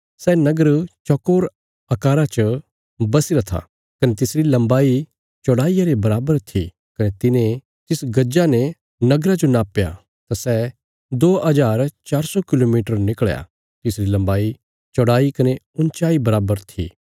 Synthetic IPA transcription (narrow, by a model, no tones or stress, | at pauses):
sɛnɐɡəɾt͡ʃɔkoːɾ | ɐkaːɾat͡ʃə | bɐsiɾat̪ʰa̰ | kɐnet̪ɪsɾilɐ̃mbaːi | t͡ʃɔɽaːijaɾebɐɾaːbəɾt̪ʰi | kɐnet̪ɪnẽ | t̪ɪsɡɐd͡ʒanɛ | nɐɡɾad͡ʒonaːpːja̰ | t̪asɛ | d̪oːɐd͡ʒaːɾt͡ʃaːɾsɔkɪloːmiːʈəɾnɪkɭja̰ | t̪ɪsɾilɐ̃mbaːi | t͡ʃɔɽaːikɐne | ʊnt͡ʃaːibɐɾaːbəɾt̪ʰḭː